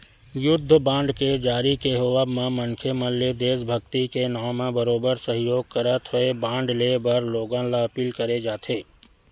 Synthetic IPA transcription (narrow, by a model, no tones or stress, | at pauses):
jʊd̪ʱːəbãːɳɖked͡ʒaːɾikeɦoʋamẽmə̃ŋkʰemɐlːed̪eːsbʱəɡt̪ikenaːmẽbəɾoːbəɾsəɦɪjoːɡ̚kəɾət̪ɦʊebãːɳɖlebɐɾloːɡãlaɐpiːlkəɾed͡ʒaːt̪ʰeː